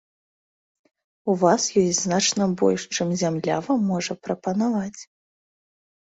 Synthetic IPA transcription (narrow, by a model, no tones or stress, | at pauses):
uvasjɔjʲznat͡ʂnɐbɔ̰lʲʂt͡ʂɨmzʲamlʲa̰vamːɔʐɐpɾɐpɐnavat͡sʲ